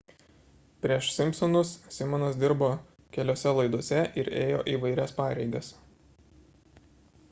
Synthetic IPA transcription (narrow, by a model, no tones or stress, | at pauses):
pʲɾʲiɛʃsʲɪmʲpʲsɔnʊssʲɪmɔnɐsd̪ʲɪɾboː | kʲɛlʲoːsʲɛlˠɐɪd̪uɔsʲɛʔɪɾeːjo̰ːʔiːʋɐɪɾʲɛspɑːɾʲɛɪɡʲɐs